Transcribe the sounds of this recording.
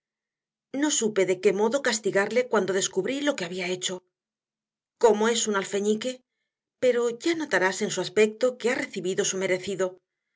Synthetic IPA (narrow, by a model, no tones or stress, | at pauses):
no̞supe̞ðe̞ke̞mo̞ðo̞kast̪iɣaɾle̞kwand̪o̞ðe̞skuβɾilo̞ke̞aβiae̞t͡ʃo̞ | ko̞moe̞sunalfe̞ɲike̞ | pe̞ɾo̞ʝano̞t̪aɾase̞nsuaspe̞k̚t̪o̞ke̞are̞θiβiðo̞sume̞ɾe̞θiðo̞